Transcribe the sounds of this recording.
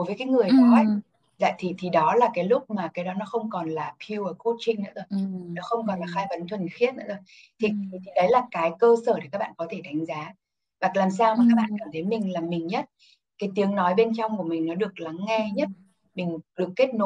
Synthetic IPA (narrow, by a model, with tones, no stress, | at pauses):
jvəː˨˦jkaː˨˦jŋɨ˨˩əjkɔ˨˦ɦwa˨˩ŋ̚ | za̰ː˧˨jt̪ʰi˨˩t̪ʰi˨˩ɗɔ˨˦laː˨˩kaː˨˦jlʊ˦˥k͡p̚maː˨˩kaː˨˦jɗɔ˨˦nɔ˨˦xə˧wŋ͡mkɔ˨˩nlaː˨˩pʰi˧wəː˨˩ko˦˥t̚t͡ɕï˧ŋ̟nɨ̰ː˧˥zo˧˨˩jnɔ˨˦xə˧wŋ͡mkɔ˨˩nlaː˨˩xaː˧jvə˨˦nt̪ʰwə˨˩nxi˦˥ət̚na̰˧˥zo˧˨˩j | t̪ʰi˨˩t̪ʰi˨˩t̪ʰi˨˩ɗə˨˦jlaː˨˩kaː˨˦jkəː˧səː˧˩ɗe˨˩kaː˦˥ɓa̰ː˧˨˧kɔ˨˦t̪ʰe˧˩ɗa˨˦jŋ̟zaː˨˦ | va˨˩k̚laː˨˩msaː˧wmaː˨kaː˦˥k̚ɓa̰ː˧˨nkaː˧˩mt̪ʰə˨˦jmï˨˩ŋ̟laː˨˩mːï˨˩ŋ̟ɲə˦˥t̚ | kaː˨˦jt̪i˨˦əŋnɔ˨˦jɓe˧nt͡ɕɔ˧wŋ͡mku˧˩əmi˨˩ŋ̟nɔ˨˦ɗɨ˨˩ək̚la˨˦ŋːɛ˧ɲə˦˥t̚ | mï˨˩ŋ̟ɗɨ˨˩əkːe˦˥t̚no˨˦